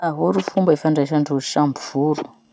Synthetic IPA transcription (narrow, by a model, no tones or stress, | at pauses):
aɦuɾufumbefaɳɖ͡ʐaʃaɳɖ͡ʐuiʃambuv̥ulu̥